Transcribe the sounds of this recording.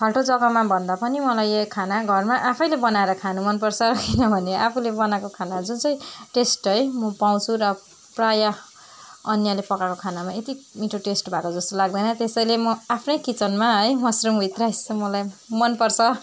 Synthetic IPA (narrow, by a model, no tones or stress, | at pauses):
tʰʌlʈod͡zʌɡʌmabʱʌnd̪apʌnimʌlajekʰanaɡʱʌrmaʔapʰʌjlebʌnaeɾʌkʰanumʌnpʌrt͡sʰʌkinʌbʱʌneʔapʰulebʌnakokʰanad͡zunt͡sʌj̃ʈesʈɦʌjmʌpaw̃t͡sʰuɾʌ | praja | ʌnjalepʌkakokʰanamaet̪imiʈʰoʈesʈbʱakod͡zʌst̪olaɡ̚d̪ʌjnʌt̪esʌjlemʌapʰnʌjkit͡sʌnmaɦʌjmʌsrumbʱit̪rajsʌmʌlajmʌnpʌrt͡sʰʌ